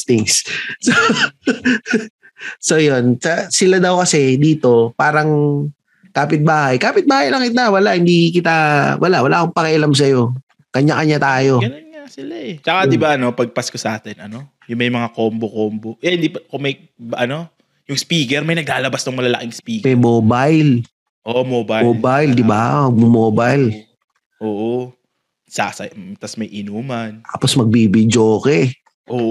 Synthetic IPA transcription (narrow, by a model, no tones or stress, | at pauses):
t̪ɪŋsso | so̞jonsɐsɪlad̪ɐwkɐsɛd̪iːt̪o̞paːɾɐŋ | kaːpɪt̪̚baːhɐjkaːpɪt̪̚baːhɐjlɐŋkɪt̪awɐlaʔhɪnd̪ikɪt̪awɐ̰laʔwɐlaːkʊŋpɐkɪʔɪlams̬ɐjo̞ | kɐɲaʔɐɲat̪aːjo̞ɡɐnonŋasɪlaʔɛt͡ʃɐkad̪ɪbaʔɐno̞pɐɡ̚paskosɐʔaːt̪ɛnɐno̞ | jʊŋmɐjmɐŋakoːmbokombojahɪnd̪ipkomɐj | ʔɐno̞ | jʊŋspiːkɛɾmɐjnɐɡaːlɐbasnʊŋmɐlɐlɐkɪŋspiːɛjmoːbajl | ʔomoːbaoːbajld̪ɪbamɐɡ̚mʊmoːbɐjl | ʔoːʔo | sa̰sɐt̪ɐsmɐjʔɪnuːmɐnaːposmɐɡ̚bibɪd͡ʒoːkɛ | ʔoːʔ